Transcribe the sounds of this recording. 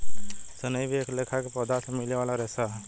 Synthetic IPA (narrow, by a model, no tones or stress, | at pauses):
sənəjbeklekʰakepɔd̪asemilewalaɾesa